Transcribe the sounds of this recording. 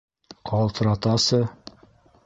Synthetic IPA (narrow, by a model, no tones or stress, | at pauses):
qʰɑlˠt̪ɤ̆ɾɑt̪ɑsɤ